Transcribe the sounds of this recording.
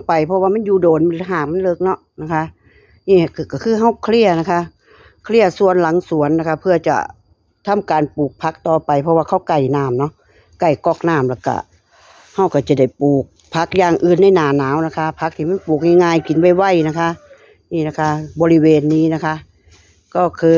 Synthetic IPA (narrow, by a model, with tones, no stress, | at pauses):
pa˨˩jpʰɔ˧waː˧ma˧˥˨njuː˧˩doː˨nma˧˨lɦaː˧˩ma˧˥˨nlɤː˧˩k̚nɔ˧ʔna˧kʰa˧˥ʔ | niː˧˩a˧˩kka˧˩kʰɯː˧˨ɦa˧˩wkʰli˧˩əna˧˩kʰa˧ʔ | kʰli˧˩əsu˧˨ənla˨˦ŋsu˨˦ənːa˧kʰa˧pʰɯ˧ɐt͡ɕa̰˧˩ | t̪ʰa˧˥˨mkaː˨npuː˨˩k̚pʰa˧˦˥k̚t̪ɔː˧pa˨jpʰɔ˧waː˧kʰa˧˥˩wka˧˩jnaː˧˩mnɔ˧˥ʔ | ka˧˩jkɔː˧˩k̚naː˧˩mlaː˧˩wka̰˧˩ | ha˧˩wka˧˩t͡ɕa˨˩da˧˩jpuː˨˩k̚pʰa˦˥k̚jaː˧ŋʔɯː˧˩nːa˧˥˨jnaː˨˩naː˨˦wna˧kʰa˧pʰa˦˥k̚t̪ʰiː˧˨ma˧˥˨npuː˨˩k̚ŋaː˧˨ŋaː˧˨jki˨˦nwa˧˩jwa˧˩˨jna˧˩kʰa˧˥ʔ | niː˧˩na˧kʰa˧˥bɔː˨˦li˧˩weː˨˧nːiː˧˩˨na˧˩kʰa˧˥ʔ | kɔː˧˩kʰɯː˧